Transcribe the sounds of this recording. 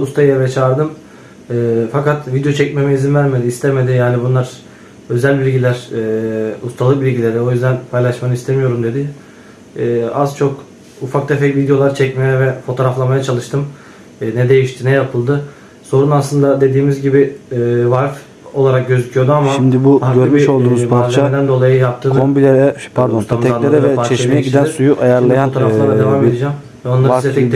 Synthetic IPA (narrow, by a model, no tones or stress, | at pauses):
ust̪ʰajebɛjɛt͡ʃʰaːɾd̪ɯm | ɛːfakat̪vid̪jo̞t͡ʃʰɛc̚memɛizinvæɾme̞d̪iːst̪ʰeme̞d̪ijaːnibunlˠaɾ̥ | ø̞zælʲbilʲɟilʲæɾ̥ː | ust̪ʰalˠɯk̚bilʲɟilʲe̞ɾɛo̞jyzd̪ænpʰajlˠaʃmanɯist̪ʰemijo̞ɾumd̪e̞d̪ɪː | azt͡ʃʰo̞k | ufakt̪ʰefɛcvid̪ejo̞lˠaɾt͡ʃʰɛcmejɛvɛfo̞t̪ʰo̞ɾaflˠamajat͡ʃʰalˠɯʃt̪ʰɯmː | nɛd̪e̞jiʃt̪ʰinɛjapʰɯlˠd̪ɯ | so̞ɾunaslˠɯnd̪ad̪e̞d̪iːmizɟibivaɾf | o̞̰lˠaɾak̚ɟø̞zycʰyjo̞d̪uamaʃʃimd̪ibuaøɾbiolˠd̪uːmuzvaɾlʲad̪ænd̪o̞lˠajɯjap̚t̪ʰːɯːnombilʲeɾɛpʰaɾd̪ost̪amʰaleɾɛɛfaɾt͡ʃɛʃmejɛɟid̪ænsujuʔajaɾlˠajanot̪ʰoɾalˠaɾad̪evaːme̞d̪id͡ʒɛːm | vɛo̞nlˠaset̪ɛt̪